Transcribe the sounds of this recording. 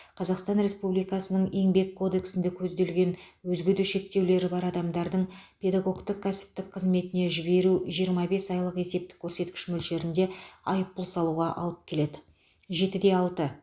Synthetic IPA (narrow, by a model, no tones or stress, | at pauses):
qʰɑzɑqst̪ɑnɾe̞spublijkɑsənəɴe̞ŋbe̞kʰːo̞d̪e̞ksɪnd̪ɪkʲʰɵzd̪e̞lɡʲe̞n | wɵzɡʲɪd̪uʃe̞k̚t̪e̞wle̞ɾɪbɑɾɑd̪ɑmd̪ɑɾd̪əɴ | pʰʲe̞d̪aɡo̞kt̪əqkʰːæsɪ̥p̚t̪ɪkqʰəzme̞t̪ɪne̞ʒɪbe̞ɾuʒijəɾmɑbe̞sɑjlˠəqe̞se̞p̚t̪ɪ̥kʲʰːɵɾse̞t̪kʲɪ̥ʃmʏlʃe̞ɾɪnd̪e̞ɑjəp̚ːʊlˠsɑlˠuʁɑʔɑ̰lˠəp̚kʲʰe̞le̞d̪ɪ | ʒe̞t̪ɪd̪e̞ɑlˠt̪ə